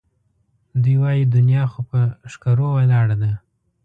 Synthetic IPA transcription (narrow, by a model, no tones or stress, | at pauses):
d̪ujwɑjid̪ʊnijɑxopəʃkaɾowalɑɽad̪a